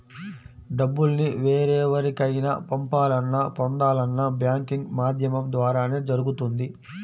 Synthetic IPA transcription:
ɖɐbːulniʋeːɾɛːʋɐɾikɐjnɐ̰pɐmpaːlɐnːɐpɔnd̪aːlɐnːɐbjaːŋkiŋɡmaːd̪ʱjɐmɐmd̪ʋaːɾaːne̞ːd͡ʒɐɾuɡut̪und̪i

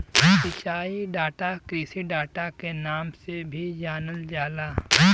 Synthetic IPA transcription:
sɪt͡ʃaːiɖaːʈakɾiːsiɖaːʈakenaːmsebʱid͡ʒaːnəld͡ʒaːlaː

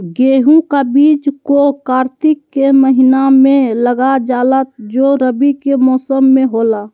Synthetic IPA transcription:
ɡeːɦũkabiːd͡ʒkokaːɾt̪ɪkːeməɦinamẽləɡad͡ʒaːlət̪̚d͡ʒoɾəbikemɔːsəmːẽɦoːla

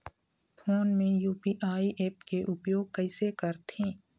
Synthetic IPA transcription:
pʰoːnmẽjuːpiːʔaːiʔeːpkeʔʊpjoːɡ̚kəɪsekəɾt̪ʰẽː

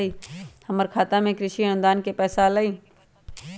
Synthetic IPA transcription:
iːhɐməɾkʰaːt̪amẽkɾɪʃiənʊ̃d̪aːnkepɛːsalaiː

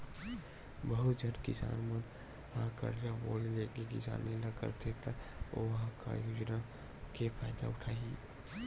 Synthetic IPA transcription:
bəɦʊt̪d͡ʒənkɪsa̰ːnmə̃n | ãkə̰ɾjaboːlileːɡekɪ̰sa̰ːnːiləkə̰ɾt̪ʰet̪ao̰ʋɐɦãka̰joːd͡ʒna | kepʰaːjd̪a̰ʊʈʰaːiː

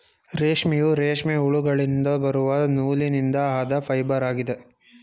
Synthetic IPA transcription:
ɾeːʂmijuɾeːʂmiuɭuɡɐɭind̪ɐbɐɾuʋɐnuːlinind̪ɐaːd̪ɐpʰɐjbɐɾaːɡid̪e

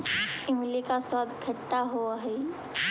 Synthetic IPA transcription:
ɪmlekasaːd̪kʰə | aɦoɦɛ

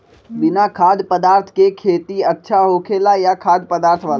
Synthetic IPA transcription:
bɪnakʰaːd̪pəd̪aːɾt̪ʰkekʰeːt̪iətːʃʰaɦokʰeːlajakʰaːd̪pəd̪aːɾt̪ʰʋaːl

